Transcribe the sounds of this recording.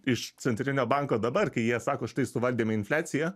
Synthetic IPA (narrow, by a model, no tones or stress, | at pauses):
ɪʃt͡ssʲɛnʲt̪ʲɾʲɪnʲoːbɑŋkoːd̪ɐbɐrkɐɪjiɛsɑːkoːʃt̪ɐɪsʊʋɐlʲd̪ʲiːmʲɛɪnʲfʲlʲæːsʲɪjæ